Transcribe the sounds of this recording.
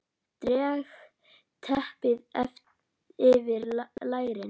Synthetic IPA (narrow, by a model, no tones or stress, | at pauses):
t̪ɾɛːɣ | t̪ʰɛhpɪðɛf | ɪvɪɾlaːjɣɾɪn